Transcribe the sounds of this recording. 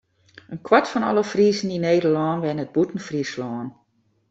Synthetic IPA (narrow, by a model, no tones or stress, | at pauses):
ʔənkʰwatfɔnɔ̰ləfriːzən̩ineːdəlɔːnʋɛnət̚butən̩frislɔːn